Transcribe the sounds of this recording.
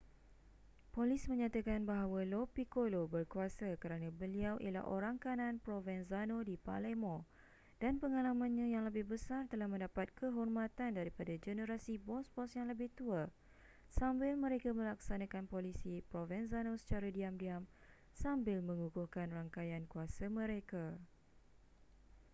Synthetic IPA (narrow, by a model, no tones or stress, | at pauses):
polismə̃ɲãt̪akanbaɦawalopikolobərkuasakəɾanãbəliawʔḭla̰hʔo̰ɾaŋkanãnpɾovɛnzanodipa̰lemõ | d̥anpəŋalamãnɲãjaŋləbɪhbəsart̪əlahmə̃ndapat̪̚kəɦɔrmãt̪andaɾipadad͡ʒənəɾasibɔspɔsjaŋləbɪht̪ua | sambɪlmə̃ɾekamə̃laksanãkanpolisipɾovɛnsanosə̥t͡ʃaɾadiamdiam | sambɪlmə̃ŋukuhkanraŋkajankuasamə̃ɾeka